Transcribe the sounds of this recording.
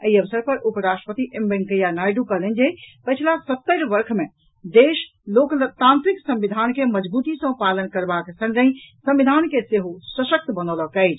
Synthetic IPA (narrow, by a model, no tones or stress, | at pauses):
əiəʋsəɾpəɾʔupɾasʈɾəpət̪iʔembeŋkəjanajɖukəɦlənd͡ʒepəjt͡ʃʰlasət̪ːəɾbəɾkʰme | d̪eʃ | lokt̪ãnt̪ɾiksə̃mʋid̪ʱankeməd͡ʒbut̪isə̃palənkəɾbaksə̃ŋɡə̃ĩsə̃mʋid̪ʱankeseɦusəʃək̚t̪bənɔləkəɪt͡ʃ